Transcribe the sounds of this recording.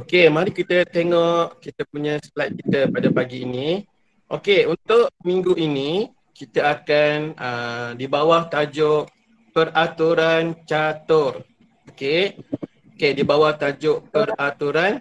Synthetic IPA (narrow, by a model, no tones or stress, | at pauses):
okemaɾikit̪ət̪eŋɔʔkit̪əpuɲəslajt̪̚kit̪əpadapaɡiːni | ʔo̰keunt̪ʊʔmĩŋɡuini | kit̪əakanədibawaht̪ad͡ʒʊʔ | pərat̪uɾant͡ʃat̪ʊr | oke | okedibawaht̪ad͡ʒʊʔpərat̪uɾan